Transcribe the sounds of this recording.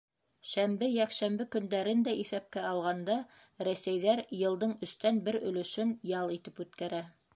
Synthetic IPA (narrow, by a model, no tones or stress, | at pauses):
ʃæmbɘjækʃæmbɘkɵ̆nd̪æɾɘnd̪æʔiθæp̚kæɑlˠʁɑnd̪ɑ | ɾæsæjðæɾjɤ̆lˠd̪ɤɴɵ̆st̪ænbɘɾɵ̆lɵ̆ʃɵnjɑlˠit̪ɘpʉt̪kæɾæ